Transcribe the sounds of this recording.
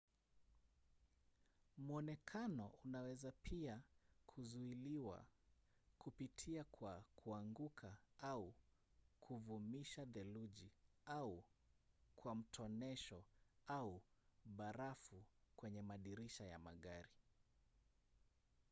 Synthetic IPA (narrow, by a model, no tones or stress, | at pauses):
muɔnɛkʰanɔʔunawɛzapʰiakʰuzuiliwa̰ | kupitʰiakʰwakʰuaŋɡukʰaau | kʰuvumiʃaðɛluʄiau | kʰwam̩tʰɔnɛʃɔauɓaɾafukwɛɲɛmaɗiɾiʃaja̰ma̰ɠaɾi